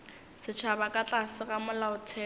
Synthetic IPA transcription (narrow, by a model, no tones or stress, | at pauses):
sɪt͡ʃʰabakʼat͡ɬʼasɪɣamʊlaʊtʰɛː